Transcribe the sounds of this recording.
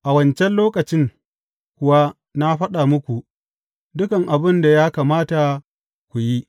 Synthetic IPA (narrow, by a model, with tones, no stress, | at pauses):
ʔa˨wɐ˦˨nt͡ʃɛ˦nloː˦kɐ˨t͡ʃɪ˦ŋ | kʷʊ˨wa˦ | na˦ɸɐ˦ɗa˨mʊ˦kʷu˨ʔ | dʊ˦kɐ˨ŋʔa˨bɪ˦nda˨jaː˦kaː˨maː˦ta˨ | kʷu˨ji˦